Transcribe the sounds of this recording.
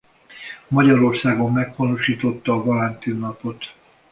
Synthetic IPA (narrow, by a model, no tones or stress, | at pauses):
mɒɟɒɾo̞rsaːɡo̞mːɛɡpɒnoʃiːt̪o̞t̪ːɒːvolɛnt̪inːɒpo̞t̪